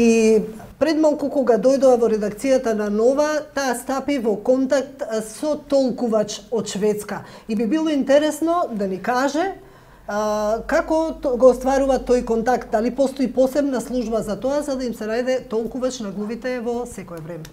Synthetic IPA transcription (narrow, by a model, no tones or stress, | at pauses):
ipɾɛd̪malˠkukɔɡad̪ɔjd̪ɔavɔɾɛd̪akt̪sijat̪ananɔvat̪aːst̪apivɔkɔnt̪ak̚t̪sɔt̪ɔlˠkuvat͡ʃɔt̪ʃvɛt̪skaibibilˠɔint̪ɛɾɛsnɔd̪anikaʒɛ | kakɔɡɔst̪vaɾuvat̪ojkɔnt̪akt̪̚d̪alipɔst̪ɔipɔsɛbnaslˠuʒbazat̪ɔazad̪aimsɛnajd̪ɛt̪ɔlˠkuvat͡ʃnaɡlˠuvit̪ɛvɔsɛkɔɛvɾɛmɛ